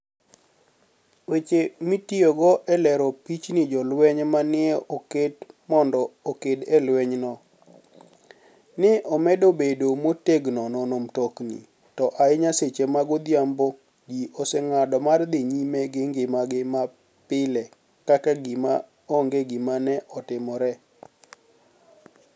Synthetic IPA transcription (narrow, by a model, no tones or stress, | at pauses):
wet͡ʃemitioɡɔʔɛlɛɾɔpit͡ʃnɪd͡ʒɔlwɛɲmanɪɛoketmɔndɔokedɛlwɛɲnɔ | nɪʔɔmɛdobedomoteɡnɔnɔnomtoknḭ | tɔʔaɪɲaset͡ʃemaɡod̪jambo | ɡiʔosɛŋadɔmard̪ɪɲimeɡɪŋɡɪmaɡɪma | pɪlɛ | kakaɡɪma | oŋɡeɡɪmanɛʔɔtɪmɔɾɛ